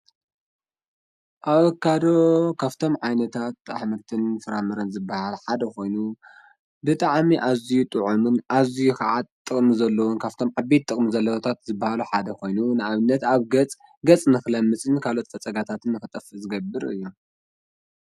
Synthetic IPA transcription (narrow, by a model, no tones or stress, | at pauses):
ʔaβɐkːad̪okʰaβt̪ʰo̞mʕajnɐt̪ʰat̪ʔa̰ħmɐɾt̪ʰɨnfɨɾamɐɾɐnzɨbːahalħad̪ɐko̞jnu | bɨt̪ʼaʕmiʔazijut̪ʼɨʕumɨnʔazijukaʕat̪̚t̪ʼːɨkʼmizɐlːɐwonkʰaβt̪ʰo̞mʕabet̪ʼːɨkʼmizɐlːɐwɐt̪ʰat̪zɨbːahaluħad̪ɐko̞jnunɨaβɨnːɐt̪aβɡɐt͡sʼ | ɡɐt͡sʼnɨxɨlɐmːɨt͡sʼɨnkʰalo̞t̪fɐt͡sʼɐɡat̪ʰat̪ʰɨnːɨxɨt̪ʼɐfɨzɨɡɐbɨɾɨ̰jːu